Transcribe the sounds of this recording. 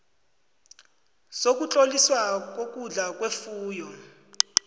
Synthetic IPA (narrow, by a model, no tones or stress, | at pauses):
sok̬ʼut͡ɬʼoliswak̬ok̬ʼuɮak̬ʼwefuːjɔ